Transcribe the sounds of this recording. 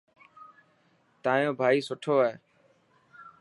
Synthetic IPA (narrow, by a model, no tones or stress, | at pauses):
t̪aːjõːbʱaːiːsʊʈʰoːɦeː